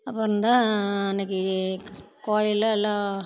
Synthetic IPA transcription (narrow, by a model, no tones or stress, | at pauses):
ɐpːɐɾɯnd̪ãːɛnɐk̬ːɯ | koːjɪlɛlːãː